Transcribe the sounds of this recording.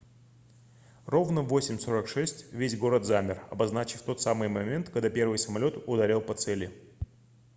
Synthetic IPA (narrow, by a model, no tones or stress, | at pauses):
ro̞vnəvo̞sʲɪmʲso̞ɾəkʂɛsʲtʲvʲesʲɡo̞ɾət̪zamʲɪrɐ̰bɐznat͡ɕɪft̪o̞t̪samɨjmɐmʲent̪kɐɡd̪apʲe̞rvɨjsəmɐlʲo̞t̪ʊd̪aɾʲelˠpɐt̪sɛlʲɪ